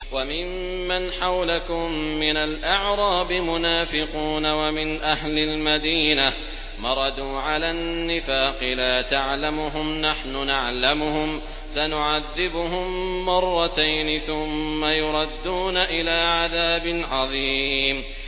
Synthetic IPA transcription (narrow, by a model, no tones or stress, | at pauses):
wamɪmː | anħawlakʊmːɪnalʔaʕɾˤɑːbɪmʊnaːfɪquːnawamɪnʔahlɪlmad̪iːna | mɑɾˤɑd̪uːʕalanːɪfaːqɨlaːt̪aʕlamʊɦʊmnaħnʊnaʕlamʊhʊm | sanʊʕaðːɪbʊɦʊmːɑrˤːɑt̪ajnɪθʊmːajʊɾˤɑd̪ːuːnaʔɪlaːʕaðaːbɪnʕɑðˤiːm